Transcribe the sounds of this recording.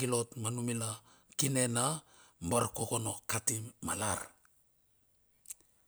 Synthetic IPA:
ilo̞tmanumila | kine̞namboɾkoko̞no̞katimːala̰ɾ

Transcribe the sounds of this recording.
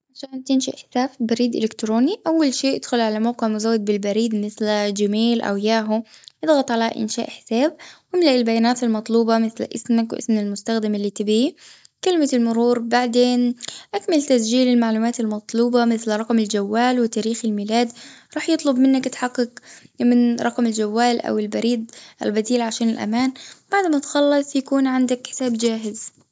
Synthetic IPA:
ʕaʃaːnt̪ɪnʃaʔħɪ̥saːbfibaɾiːd̪ʔɪ̰lɪkt̪ɾoːniʔawːalʃeːʔɪd̪xʊlʕalamawqɪʕmʊzawːad̪̚bɪlbaɾiːd̪mɪθld͡ʒɪmaːlʔa̰wjaːɦʊʔɪd̪ˤɣɑt̪ˤʕalaʔɪ̰nʃa̰ːʔħɪ̥saːb̚ʔɪmlaʔɪlbajaːnaːt̪almɑt̪ˤluːbɑmɪθlʔɪsmakwʔɪ̰smalmʊst̪axd̪ɪmalːiːt̪ɪbikɪlmaɪlmʊɾuːɾbaʕd̪eːnʔakmalt̪as̬d͡ʒiːlɪlmaʕluːmaːt̪almɑt̪ˤluːbɑmɪθlɾˤɑqmɪld͡ʒawːaːlwɪt̪aːɾiːxɪlmiːlaːd̪ɾˤɑːħjɨt̪ˤlʊbmɪnːakt̪ħɑqːɑkmɪnɾˤɑqmɪld͡ʒawːaːlʔa̰wɪlbaɾiːd̪̚ʔa̰lbad̪iːlʕaʃaːnɪlʔa̰maːnb̥aʕd̪mat̪xɑlːɑsˤjakuːnʕɪnd̪akħɪ̥saːbd͡ʒaːɦɪz

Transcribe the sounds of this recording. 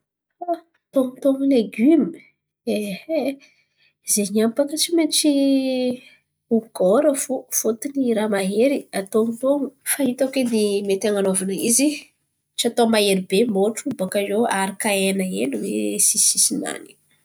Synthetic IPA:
a | t̪oŋut̪oŋuleɡymi | ehe | zeɲampakət͡ʃiment͡ʃi | uɡoɾəfofot̪iniɾamaɦeɾiat̪oŋut̪oŋufaɦit̪aked̪emet̪aŋanovanəizi | t͡ʃiat̪omaeɾibemoʈ͡ʂubakazoaɾikaenəḛnuwḛsisisina̰ni̥

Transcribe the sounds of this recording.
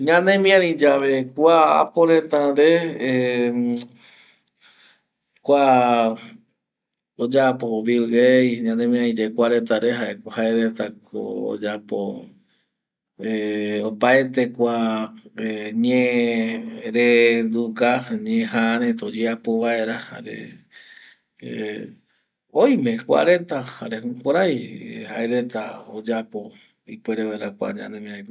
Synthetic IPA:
ɲãnẽmĩãɾĩd͡ʒaʋekʷaa̰poɾet̪aɾee | kʷa | od͡ʒapoβilejɲãnẽmĩãnĩd͡ʒakʷaɾet̪aɾeɦaekʷahaeɾet̪akʰo̰o̰d͡ʒapo̰ | eopaet̪e̞kʷaeɲẽ | ɾend̪ukaɲẽɦaɾ̃et̪od͡ʒeapoβae̞ɾaha̰ɾḛ | ojmẽ̞kʷa̰ɾe̞t̪aha̰ɾehũkʷaɾajhaeɾet̪aod͡ʒapo | ipweɾeβaeɾakʷa̰ɲã̰nẽmĩãj̃

